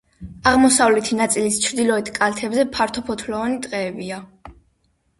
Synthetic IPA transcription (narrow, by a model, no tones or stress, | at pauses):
aʁmɔsavlɛt̪ʰinat̪sʼilist͡ʃʰɾd̪ilˠɔɛt̪ʰkʼalt̪ʰɛbzɛpʰaɾt̪ʰɔpʰɔt̪ʰlɔːnit̪ʼqʼɛːbia